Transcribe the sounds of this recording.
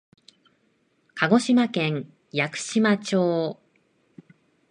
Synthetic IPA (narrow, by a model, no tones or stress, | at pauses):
kʰaɡo̞ɕimakẽ̞ŋ | jakɯ̟̥ɕimat͡ɕo̞ː